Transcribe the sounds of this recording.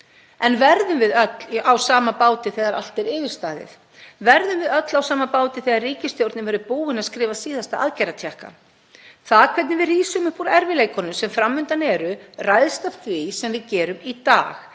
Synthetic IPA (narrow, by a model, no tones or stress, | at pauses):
ɛnvɛɾðʏmvɪðœt̪lawsaːmapaːwt̪ɪθɛɣaɾa̰l̥t̪ɛɾɪːvɪɾ̥st̪aːðɪ̰θ | vɛɾðʏmvɪðœt̪lawsaːmapaːwt̪ɪθɛɣaɾriːcɪst̪jowɾt̪nɪvɛɾʏpuːwɪnaðskɾɪːvasiːðast̪aa̰ðcajɾat̪ʰjɛhka̰ | θaðkʰvɛt̪nɪvɪðriːsʏmʏhpuɾɛɾvɪleːjkʰɔnʏmsɛmfɾamːʏnt̪anɛɾʏrajðst̪aft̪visɛmvɪðcɛːɾʏmit̪a̰ːx